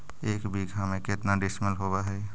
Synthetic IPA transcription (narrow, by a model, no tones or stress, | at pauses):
eːkbiɡʱamẽket̪naɖɪsməlɦobaɦɛː